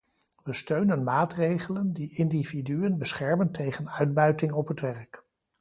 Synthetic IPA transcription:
ʋəstøɥnənmaːtrejχələndiʔɪndividyənbəsχɛɹməntʰejχənœɥd̚bœɥtɪŋɔpɦətʋɛɹk

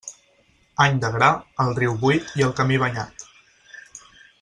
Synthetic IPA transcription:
aɲd̪əɣɾaəlˠriwβujt̪iəlˠkəmiβ̞əɲa̰t̪

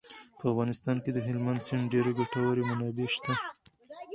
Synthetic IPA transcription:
pəafɣɑnɪst̪ɑnked̪əɦɪlmand̪sɪɳɖeɾaɡaʈawaɾemanɑbeʃt̪a

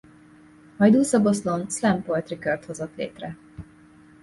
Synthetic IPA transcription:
mɒjd̪uːsɒboslonslɛmpojt̪rikørt̪ho̞zot̪lḛːt̪rɛ

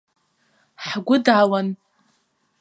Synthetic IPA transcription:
ħɡʷʊdʕawan

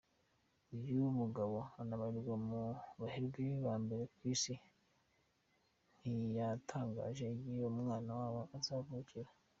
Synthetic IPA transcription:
ujumuɡaβo̞anaβahiɾɡwamuβahiɾɡiβaːmbe̞ɾe̞kwiːsi | n̥ijatʰaːŋɡa̰ːʒe̞jijomŋaːnawaːwoʔazaːvuucʰiɾa

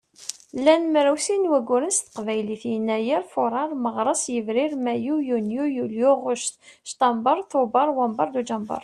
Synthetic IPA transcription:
lːænmɾæwsinwæɡʷːʊɾənst̪ə̥qvæjliθjənːæjiɾfʊɾˤɑɾˤməʁɾˤəsjəvɾɪɾmæjujunjujuljuʁʊʃt̪ʃt̪ɑmbɑɾˤθobɑɾˤwɑmbɑɾˤd̪ud͡ʒɑmbɑ̰ɾˤ

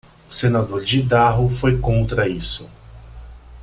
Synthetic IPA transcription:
senad̪oɾd͡ʒɪd̪aɦʊfojkõnt̪ɾɐisʊ

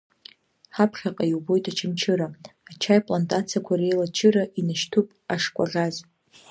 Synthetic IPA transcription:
ħapʰχʲaqʼajiwbo̞jtʰʼat͡ʃʰɪmt͡ʃʰɨɾaːt͡ʃʰajpʼlantʼat͡sʰiakʷʰaɾejlat͡ʃʰɨɾaʔinaʃtʰupʼaʂkʷʼa̰ʁʲaz

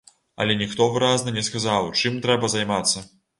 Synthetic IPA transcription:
ɐ̰lʲɛnʲixt̪ɔvɨɾaznɨnʲɛskazawt͡ʂɨmt̪ɾɛbɐzajmat̪sːɐ

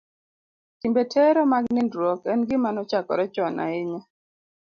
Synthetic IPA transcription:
timbetʰɛɾɔmaɡnɪndɾwɔkɛnɡɪmanɔt͡ʃakɔ̰ɾɛt͡ʃɔna̰ɪɲɔ

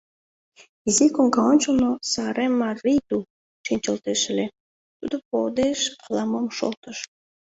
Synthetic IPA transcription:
izikoŋɡɑonʲt͡ɕonosɑɾʔemɑrit̪u | ʃinʲt͡ɕəlt̪eʃ̆le | t̪ud̪opod̪eʃɑlɑmomʃo̰lt̪əʃ

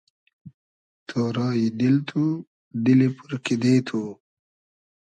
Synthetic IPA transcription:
t̪ʰoːɾɑːjid̪ilt̪ʰu | d̪ilipuɾkid̪eːt̪ʰu

